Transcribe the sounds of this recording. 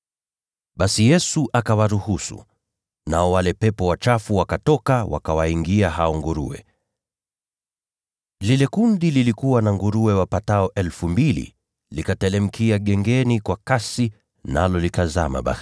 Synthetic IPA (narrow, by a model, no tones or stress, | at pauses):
ɓasijɛsuʔakawaɾuhusṵ | naɔwalɛpɛpɔwat͡ʃafuwakatɔkawa̰kawaiŋɡiaɦaɔŋɡuɾṵɛ̰ | lilɛkundililikuwanaŋɡuɾuɛwapataɔʔɛlfumbilḭ | likatɛlɛm̩kʰiaɠɛŋɡɛnikwakasi | na̰lɔlikaza̰ma̰ɓa̰